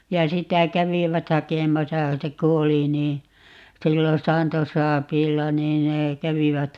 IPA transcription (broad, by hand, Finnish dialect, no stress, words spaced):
jɑ sitæ kæʋiʋæt hɑkemɑsɑ se ku oli niː silːon̞ sɑːntosɑːpiːlːɑ niːn neː kæʋiʋæt